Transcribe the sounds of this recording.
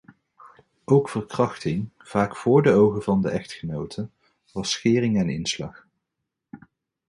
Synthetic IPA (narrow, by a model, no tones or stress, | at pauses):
ʔowkfərkrɑχtɪŋ | v̥aːkfʊːɹdəowχəvɑndəʔɛχtχənowtʰə | ʋɑsχɪːrɪŋɛnɪ̰nslɑ̰χ